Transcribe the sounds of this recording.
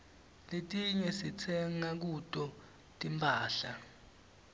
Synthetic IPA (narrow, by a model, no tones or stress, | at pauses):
letʼiɲɛsit͡sʰɛŋak̬utʼɔ | tʼimpʰʼaːɬa